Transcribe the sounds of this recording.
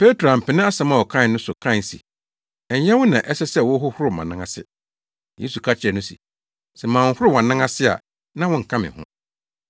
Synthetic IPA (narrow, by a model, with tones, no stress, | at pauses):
pʰe˦tɾa˨m̩˨pʰɪ̃˨nɪ̃˦a˦sɛ̃˦mã˨wɔ˨kʰã˦˨nʊ̃˦sʊ˨kʰã˦˨sḭ˨ | ɛ˨ɲ˦ɲɛ̃˦wʊ̃˦nã˨ʔɛ˦sɛ˦sɛ˦˨wʊ˦ɦʊ˦hʊ˦ɾʊ˨mã̰˨nã˦ŋã˨sɪ̰˦ | jḛ˦su˨kʰa˦t͡ɕʰɛ˨nʊ̃˦sḭ˨ | sɛ˨mãː˨˦hʊ˦ɾʊ˦˨wɔ̃˨nã˦ŋã˦sɪ˦a̰˨ | nã˦wɔ̃˦ŋ̩˨kʰã˦mɪ̰̃˨hʊ̰̃˦